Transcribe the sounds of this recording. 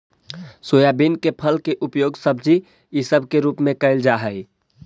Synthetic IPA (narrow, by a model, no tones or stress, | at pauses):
sojabinkepʰəlkeʔʊpjoːɡsəb̚d͡ʒi | jisəbʱkeɾuːpmẽkəɪld͡ʒaɦəɪ